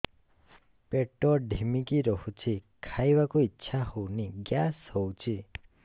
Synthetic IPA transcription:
peʈɔɖʱimikiɾɔhut͡ʃʰikʰajbakuitːʃʰahowniɡjashɔwt͡ʃʰi

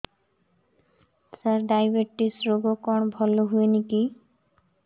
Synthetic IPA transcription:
saɾɖajbeʈːisɾoɡokɔɳbʱɔloɦueniki

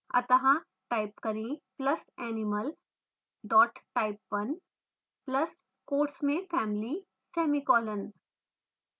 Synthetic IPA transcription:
ɐ̰t̪ɐɦã | ʈaːɪpkɐɾĩplɐsɛːnɪməl | ɖɔːʈʈaːɪpʋɐn | plɐs | koːɾsmẽfɛːmɪli | sɛːmikɔːlən

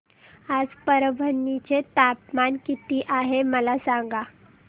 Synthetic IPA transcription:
ad͡zpəɾəbʱənːit͡ɕet̪apmankit̪iːʔaɦeməlasaŋɡa

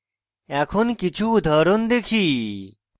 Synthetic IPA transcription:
ɛkʰonkit͡ʃʰud̪ʱəɾond̪ekʰiː

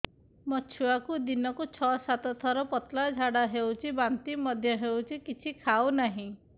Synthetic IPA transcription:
mɔt͡ʃʰuakud̪inɔkut͡ʃʰɔsat̪ɔt̪ʰɔɾɔpɔt̪lad͡ʒʱaɽaɦewt͡ʃʰibant̪imɔd̪ʱjɔɦewt͡ʃʰikit͡ʃʰikʰawnaɦĩ

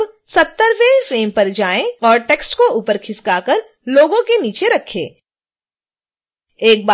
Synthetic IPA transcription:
sɐt̪ːəɾʋefɾeːmpɐɾd͡ʒaːẽɔːɾʈeːksʈkouːpəɾkʰɪskaːkəɾ | loːɡõkeniːt͡ʃeɾɐkʰːḛ̃ː | eːk̚ba

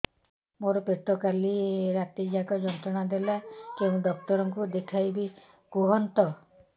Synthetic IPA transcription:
moɾɔpeʈ̪ɔkaliɾat̪id͡ʒaɡɔd͡ʒɔnt̪ɾɔnad̪elakeũd̪ɔk̚t̪ɔɾɔŋkud̪ekʰajbi | ɡ̥uɦɔnt̪ɔ

